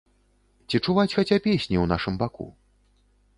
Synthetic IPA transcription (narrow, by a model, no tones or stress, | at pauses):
t͡sʲit͡ʂuvat͡sʲxat͡sʲapʲesʲnʲiwnaʂɨmbakṵ